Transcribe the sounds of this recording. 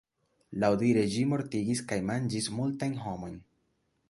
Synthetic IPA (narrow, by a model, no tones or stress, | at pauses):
lawdiɾe̞d͡ʒimo̞ɾtiɡiskajmand͡ʒismultajnɦo̞mo̞jn